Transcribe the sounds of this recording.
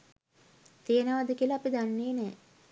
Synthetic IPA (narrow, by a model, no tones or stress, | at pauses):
t̪ejənəʋad̪əkiəlaːpid̪anːeːnɛː